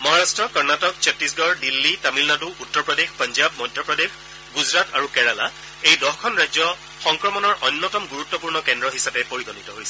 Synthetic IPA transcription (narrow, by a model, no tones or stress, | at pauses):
mɔɦaɹastɹɔkɔɹnatɔkt͡ɕɔtːisɡɔɹdilːitamilnatuʔutːɔɹpɹɔdexpɔnzabmɔjdʱjɔpɹɔdex | ɡuzɹataɹukɛɹala̰ | ejdɔxkʰɔnɹajzɔ | xɔŋkɹɔmɔnɔɹʔɔnːɔtɔmɡuɹutːɔpuɹnɔkɛndɹɔɦisapɛpoɹiɡɔnitɔɦojsɛ